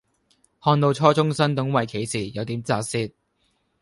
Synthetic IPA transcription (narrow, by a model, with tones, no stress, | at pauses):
hɔː˧nt̪o˧wt͡ʃʰɔː˥t͡sʊ˥ŋsɐ˥nt̪ʊ˨˥ŋwɐ˨jkʰe˨˥jsiː˨˩jɐ˨˧wt̪iː˨˥mt͡saː˧siː˥t̚